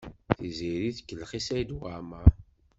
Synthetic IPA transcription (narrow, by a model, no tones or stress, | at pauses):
θiziɾiθkːəlːχisæjd̪wama